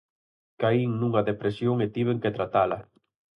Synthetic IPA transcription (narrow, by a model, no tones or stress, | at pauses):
kaiŋnũŋaðepɾesjoŋet̪iβ̞eŋket̪ɾat̪alɐ